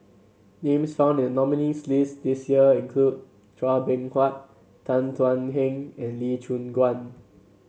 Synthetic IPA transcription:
nẽmsfãʊ̃ndɛ̃nnɔminislisdisjiəĩnkʰlud̚ | tɹabɛ̃nkʰwat̚ | tːãntʰwãnɦɛ̃ŋɛ̃nlit͡ʃʰũnɡwãn

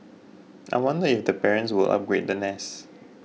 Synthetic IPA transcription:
ʔa̰ɪwɔ̃ndəɪfdəpɛɹə̃nswɪlˠʔa̰p̚ɡɹet̚dənɛs

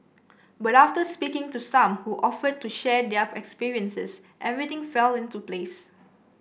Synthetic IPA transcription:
bataftəspikɪ̃ŋtusãmhuʔɔfəd̚tːuʃɛdɛɛkspiɹiə̃nsəs | ʔɛvɹit̪ɪ̃ŋfɛlɪ̃ntuples

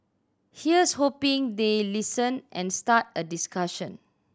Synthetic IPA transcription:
hiəshopĩŋdelisə̃nʔɛ̃nstat̚ədiskaʃə̃n

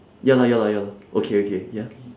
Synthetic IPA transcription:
jalajalajalaʔokʰeokʰeja

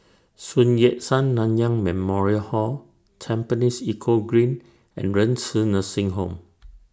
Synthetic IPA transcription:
sũnjɛt̚sãnːãnjãŋmɛ̃mɔɹiəhɔ | t͡ʃʰɛ̃mpənisikʰoɡɹĩn | ɛ̰̃nɹə̃nsənəsĩŋɦõm

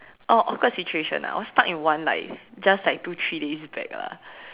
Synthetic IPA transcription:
ʔoʔɔfkɔsit͡ʃueʃə̰̃na̰ɔstatĩnwãnla̰ɪfd͡ʒaslaɪk̚tut̪ʰɹidesbɛ̰kla̰

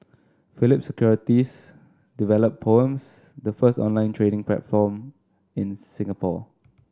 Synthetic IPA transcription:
filɪp̚səkʰjɔɹitis | divɛləpʰːoə̃ms | dəfəstɔ̰̃nlãɪ̃ntʰɹenɪ̃ŋplɛ̰tfɔm | ɪ̃nsɪ̃ŋapʰɔ̰

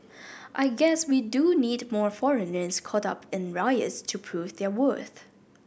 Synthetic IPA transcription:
ʔaɪɡɛswiduniːdmɔɹfɔɹɨnə˞zkʰɔɾʌ̰pʰɪ̃nɹaɪə̰stʰɨpʰɹ̥uvðə˞wɜ˞θ

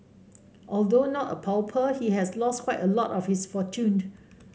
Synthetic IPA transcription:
ʔɔldonɔtə̰pʰalpʰəhiɦɛslɔskʰwaɪtəlɔtɔfhisfɔtʰũn

